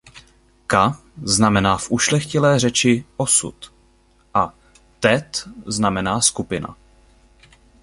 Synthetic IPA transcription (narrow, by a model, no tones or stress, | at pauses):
ka | znamɛnaːfʔuʃlɛxcɪlɛːrɛt͡ʃɪʔo̞sṵt̪ | ʔa | t̪ɛt̪znamɛnaːskupɪna̰